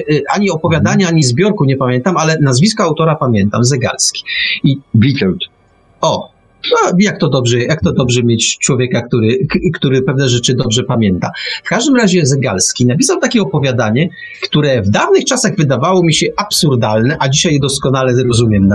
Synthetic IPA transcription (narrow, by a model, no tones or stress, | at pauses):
ʔaɲiɔpɔvʲjad̪aɲaaɲizbʲjɔɾkuɲɛpamʲjɛnt̪amalɛnazvʲiskɔawt̪ɔɾapamʲjɛnt̪amzɛɡa̰lskʲi̥ibʲit̪ɛlt̪ | ɔ | ajak̚t̪ɔd̪ɔbʐɛjak̚t̪ɔd̪ɔbʐɛmʲjet͡ɕt͡ʂwɔvʲjɛkakt̪uɾɘkt̪uɾɘpɛvnɛʐɛt͡ʂɘd̪ɔbʐɛpamʲjɛnt̪a̰fkaʐd̪ɘmɾaʑɛzɛɡalskʲinapʲisawt̪akʲɛɔpɔvʲjad̪aɲɛ | kt̪uɾɛvd̪avnɘxt͡ʂasaɣvɘd̪avawɔmʲiɕɛʔapsuɾd̪alnɛʔad͡ʑiɕajd̪ɔskɔnalɛɾɔzumʲjɛmna